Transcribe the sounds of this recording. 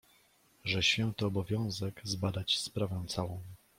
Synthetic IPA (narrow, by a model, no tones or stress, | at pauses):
ʐɛɕfʲjɛ̃wt̪ɔːbɔvʲjɔ̃w̃zɛɡzbad̪at͡ɕspɾavɛ̃t̪sawɔ̃w̃